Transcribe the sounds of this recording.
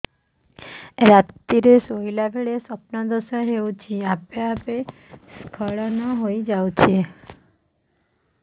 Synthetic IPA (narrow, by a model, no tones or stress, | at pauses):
ɾat̪iɾesoilabʱeɭesɔp̚nɔd̪ɔsɔɦewt͡ʃʰiapeapeskʰɔɭɔnɔɦojd͡ʒawt͡ʃʰi